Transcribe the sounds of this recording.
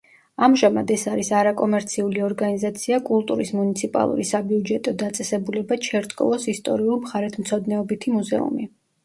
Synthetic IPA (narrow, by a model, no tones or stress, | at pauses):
amʒama̰d̪ɛsaɾisaɾakʼɔmɛɾt̪sʰiuliɔɾɡanizat̪sʰiakʼulˠt̪ʼuɾismunit̪sʰipʼa̰lˠṵɾisabiud͡ʒɛt̪ʼɔd̪at̪sʼɛsɛbulɛbat͡ʃʰɛɾt̪ʼkʼɔ̰vɔsist̪ʼɔɾiulˠmχaɾɛt̪ʰmt̪sʰɔd̪nɛɔbit̪ʰimuzɛ̰ṵmi